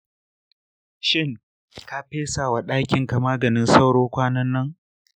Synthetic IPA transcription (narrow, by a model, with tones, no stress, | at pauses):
ʃɪ˦ŋ | ka˦ɸeː˦saː˨wa˨ɗaː˦kʲɪ˨ŋka˨maː˦ɡɐ˨nɪ˦nsa˦wɽoː˦kʷaː˦nɐ˦nːɐ˦ŋ